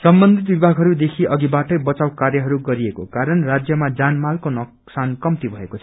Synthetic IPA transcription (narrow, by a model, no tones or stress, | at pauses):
sʌmbʌnd̪ʱit̪̚bibʱaɡʱɦʌɾud̪ekʰiʌɡibaʈʌjbʌt͡sawkarjʌɦʌɾuɡʌɾiekokaɾʌnrad͡zjʌmad͡zanmalkonʌksankʌmt̪ibʱʌekot͡sʰʌ̥